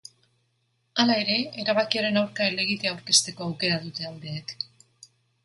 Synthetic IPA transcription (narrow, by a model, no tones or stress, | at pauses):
alae̞ɾe̞ːɾaβ̞akiaɾe̞nawɾkaele̞ɣ̞it̪eawɾke̞st̪e̞ko̞awke̞ɾaðut̪e̞ald̪e̞ːk